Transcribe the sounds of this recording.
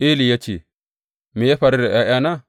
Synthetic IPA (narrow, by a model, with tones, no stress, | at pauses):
i˦li˨ja˦t͡ʃḭ˨ | mi˨je˦ɸa˨ɾi˦ɾe˨ʔa˦ja˦na˦